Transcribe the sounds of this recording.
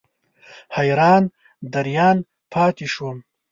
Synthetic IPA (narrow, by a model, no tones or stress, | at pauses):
hɐjɾɑːn | d̪ɐɾjɑːn | pʰɑːt̪iʃwum